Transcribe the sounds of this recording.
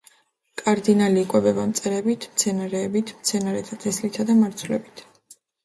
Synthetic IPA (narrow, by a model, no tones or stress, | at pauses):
kʼaɾd̪inaliːkʼwɛbɛbamt̪sʼɛɾɛbit̪ʰmt̪sʰɛnaɾɛːbit̪ʰmt̪sʰɛnaɾɛt̪ʰat̪ʰɛslit̪ʰad̪amaɾt̪sʰulɛbit̪ʰ